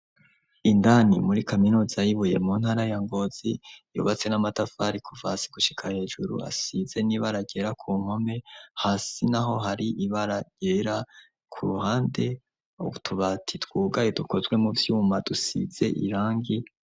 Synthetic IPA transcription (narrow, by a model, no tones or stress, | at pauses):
indanimuɾikaminuːzajiβuje̞muːn̥haːɾajaŋɡo̞z̥ijṵːβat͡se̞namatafaːɾikʰuvasi̥ɡ̥uʃi̥kʰahe̞ːʒuɾṵa̰size̞niβaɾaɟe̞ːɾakʰuːŋ̥ho̞me̞haːsinaɦo̞ɦaɾiʔiβaɾaɟ̥e̞ːɾa | kʰṵɾuhaːnde̞ | ṵβutʰuβatʰitwuːɡajoduko̞zɡwe̞muvjuːmadusḭz̥e̞̰ʔḭɾaːŋɡi